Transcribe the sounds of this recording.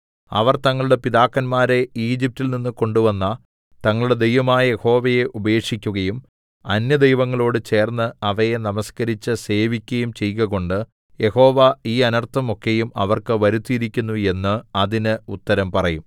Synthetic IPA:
ɐ̰ʋɐrt̪ɐŋːɐɭuɽe̞piðaːkːɐnmaːɾe̞iːd͡ʑip̚tːilninːɨko̞ɳɖuʋɐnːɐ | t̪ɐŋːɐɭuɽed̪e̞jʋɐmaːjɐjeho̞ːʋɐje̞ʔubɐjeːkʂikʲːuɣɐjum | ɐnjɐd̪e̞jʋɐŋːɐɭo̞ːɽɨt͡ɕe̞ːrnːɨɐʋɐjenɐmɐskɐɾit͡ɕːɨse̞ːʋikʲːɐjumt͡ɕe̞jkɐɣo̞ɳɖɨ | je̞ho̞ːʋɐiːɐnɐrt̪ʰɐmo̞kːejumɐʋɐrkɨʋɐɾut̪ːijiɾikʲːunːue̞nːɨɐðinɨut̪ːɐɾɐmpɐrɐjum

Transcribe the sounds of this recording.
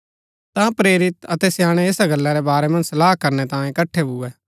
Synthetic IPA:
t̪ãpɾeːɾɪt̪ɐt̪ɛsjaːɽ̃eɪsaɡɐlːãɾɛbaːɾɛmɐ̃nd͡ʒsɐlaːɦkɐɾnɛt̪ãːẽɪkɐʈʰːebuɛː

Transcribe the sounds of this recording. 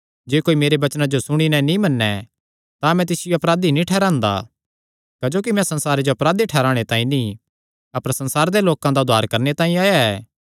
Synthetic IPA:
d͡ʒeːkoːimeːɾebɐt͡ʃnãd͡ʒosʊɽ̃inɛ̃nĩmɐnːɛ | t̪amɛ̃t̪ɪsɪjoɐpɾaːd̪inĩʈʰɛːɾãːnd̪a̰ | kɐd͡ʒoːk̬imɛ̃sɐ̃nsaːɾed͡ʒoɐpɾaːd̪iʈʰɛːɾaːɽ̃et̪ãːĩnĩ | ɐpəɾsɐ̃nsaːɾd̪eloːkãd̪aʊd̪ʱaːɾkɐɾnet̪ãːĩaːjaɛː

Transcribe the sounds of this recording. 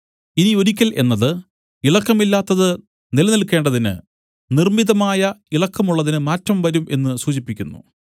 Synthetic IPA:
inio̞ɾikʲːɐlʔe̞̰nːɐðɨ | iɭɐkːɐmilːaːt̪ːɐðɨ | nilɐnilkːe̞ːɳɖɐðinɨ̰ | nirmiðɐmaːjɐiɭɐkːɐmuɭːɐðinɨmaːtːɐmʋɐɾumʔe̞nːɨsuːɕipːikʲːunːṵ

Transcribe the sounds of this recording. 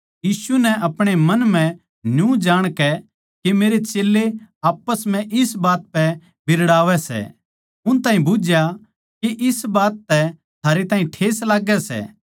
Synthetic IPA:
jiːsunɛʔɐpɽ̃emɐnmɛ̃ | njũd͡ʒaːɽ̃kɛ | kemeːɾet͡ʃeːlːeaːpːəsm̤ɛ̃ʔɪsbaːt̪̚pɛ | bɪɾɽaːʋɛsɛ̰ | ʊñt̪aːɦĩbʊd͡ʒja | keʔɪsbaːt̪ːɛ | t̪ʰaːɾet̪aːɦĩʈʰeːslaːɡɛsɛ̰ː

